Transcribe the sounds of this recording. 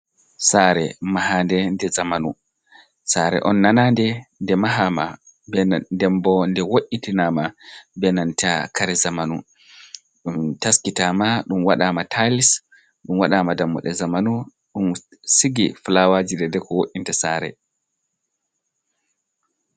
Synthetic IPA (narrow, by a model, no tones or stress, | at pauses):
saɾɛ̰maɦandɛndɛzamanu | saɾɛ̰ʔɔnːanandɛndɛmaɦama | bɛdɛmbɔndɛwoʔʲːitinamabɛnantakʰaɾɛzamanṵ | ɗumtaskitamaɗumwaɗaːmatʰalis | ɗumwaɗamadamːɔ̰ɗɛzamanu | ɗumsiɡiflawad͡ʒidɛdɛkɔwoʔintasaɾɛ̰